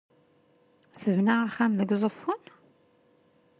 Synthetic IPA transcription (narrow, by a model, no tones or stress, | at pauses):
θəvnaʁaχæmðəɡzˤəfːun